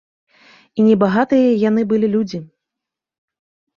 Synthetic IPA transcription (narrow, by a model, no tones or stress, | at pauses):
inʲɛbaɣat̪ɨjɐjanɨbɨlʲilʲud͡zʲi